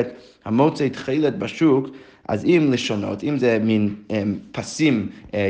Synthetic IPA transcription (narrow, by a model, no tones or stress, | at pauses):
t | hamot͡saɪtχilˠɛt̚baʃuk | a̰zimlˠɪʃano̰timzɛminɛpʰasim